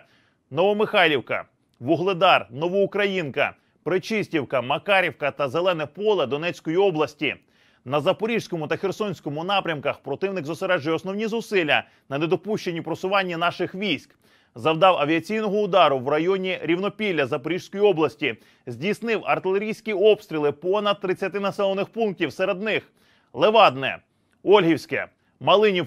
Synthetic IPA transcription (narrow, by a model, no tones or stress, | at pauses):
nɔʋɔmɪxɑlʲiwkɐ̰ | ʋʊɦlˠed̪ɑrnɔʋɔʊkɾɐjinkɐ̰ | pɾɪt͡ʃɪsʲtʲiwkɐmɐkɑɾʲiwkɐt̪ɐzelˠɛnɛpɔlˠɛd̪ɔnɛt͡sʲkɔjiɔblˠɐsʲtʲi | nɐzɐpɔɾʲiʒsʲkɔmʊt̪ɐxersɔnʲsʲkɔmʊnɑpɾʲɐmkɐxpɾɔt̪ɪwnɪɡzʊseɾɛʒʊjɔsnɔwnʲizʊsɪlʲːɐ | nɐne̞d̪ɔpuʃt͡ʃe̞nʲipɾɔsʊʋɑnʲːin̪ɑʃɪxʋʲijsʲk | zɐwd̪ɑwɐʋʲiɐt͡sʲijnɔɦɔʊd̪ɑɾʊwrɐjɔnʲiɾʲiwnɔpʲilʲːɐzɐpɔɾʲiʒ̥sʲkɔjiɔblˠɐsʲtʲi | zʲdʲijsnɪwɐ̰rt̪ɪlˠeɾʲijsʲkʲiɔpst̪ɾʲilˠɪpɔnɐd̪̚t̪ːɾɪt͡sʲjɐt̪ɪnɐsɛlˠɔnɪxpunk̚tʲiwseɾe̞d̪nɪx | lˠeʋɑd̪nɛ̰ | ɔlʲɦʲiwsʲkɛ̰ | mɐlˠɪnʲi